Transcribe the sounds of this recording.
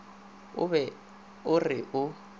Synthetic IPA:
ʊ̰βɛ | ʊrɪʔʊ

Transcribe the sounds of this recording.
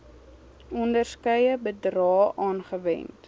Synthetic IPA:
ɔndərskœjəbədrɑːʔɑːnχəvɛ̰nt

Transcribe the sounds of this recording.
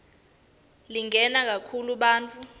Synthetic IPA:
liŋɛnak̬akʰuluɓaːnt͡fʼu

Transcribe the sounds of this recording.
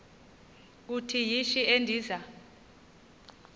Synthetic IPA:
k̬utʰijiʃiendʱiːza

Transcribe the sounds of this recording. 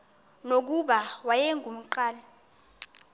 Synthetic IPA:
nok̬uɓawajɛŋʱum̩ǃaːla

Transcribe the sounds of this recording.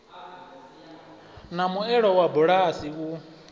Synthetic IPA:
namuɛɺɔwabuɺasiu

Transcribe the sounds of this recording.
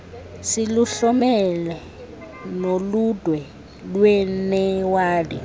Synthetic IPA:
siluɬɔmɛlɛ | nolud̥ʱwɛ | lwɛnɛwaːdi

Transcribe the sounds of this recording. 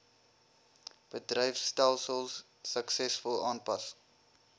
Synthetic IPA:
b̥ədrəjfstælˠsəlˠsː | əksɛsfʊlˠɑːnpɐs

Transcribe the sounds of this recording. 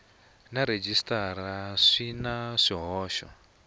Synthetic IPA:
naɾed͡ʒistaɾaʂinaʂiɦɔːʃɔ̰

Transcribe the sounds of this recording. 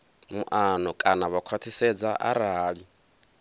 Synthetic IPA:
muʔanɔkʼanaβakʰwat̪ʰisɛd͡zaʔa̰ɾaːɺi

